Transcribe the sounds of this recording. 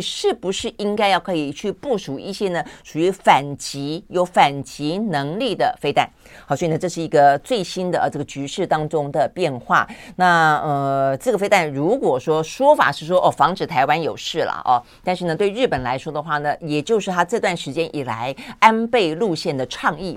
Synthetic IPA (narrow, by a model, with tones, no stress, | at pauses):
ʂɻ̩˥˩pu˧˥ʂɻ̩˥˩i˥ŋka˥ɪjɑ˥˩ʊkʰɤ˧˥i˨˩t͡ɕʰy˥˧pu˥˩ʂu˨˩ḭ˥˩ɕjɛ˥nə˨ʂu˨˩y˧˥fa˨˩nt͡ɕi˧˥jo˧˥ʊfa˨˩nt͡ɕi˧˥nɤ˧˥ŋli˥˩d̪ə˩fe˥ɪt̪a˥˩n | xɑ˨˩swɔ˥i˨˩nə˩˧ʈ͡ʂɤ˥˧ʂɻ̩˥˩i˧˥ɡə˧t͡swe˥˩ɪɕi˥nd̪ə˨˧˩ʈ͡ʂɤ˥˩ɡə˩t͡ɕy˧˥ʂɻ̩˥˩t̪ɑ˥ŋʈ͡ʂʊ˥ŋd̪ə˨pjɛ˥˧nxwa̰˥˩na˥˧ə˧ʈ͡ʂɤ˥˩ɡə˩fe˥ɪt̪a˥˩nɻu˧˥kwɔ˨˩ʂwɔ˥ʂwɔ˥fa̰˨˩ʂɻ̩˥˩ʂwɔ˥ʔɔ˥˩fɑ˧˥ŋʈ͡ʂɻ̩˨˩t̪ʰa˧˥ɪwa˥njo˨˩ʊʂɻ̩˥˩lə̰˩ʔɐ̰˩t̪a˥˧nʂ̬ɻ̩˥˩nə˩t̪we˥˧ɪɻ̩˥˩pə˨˩nla˧˥ɪʂwɔ˥d̪ə˨xwa˥˩nə˩jɛ˨˩t͡ɕjo˥˧ʊʂɻ̩˥˩t̪ʰa˥ʈ͡ʂɤ˥˧t̪wa˥˩nʂɻ̩˧˥t͡ɕjɛ˥nʔi˨˩la̰˧˥ɪa˥npe˥˧ɪlu˥˧ɕjɛ˥˩nd̪ə˩ʈ͡ʂʰɑ˥˧ŋi˥˩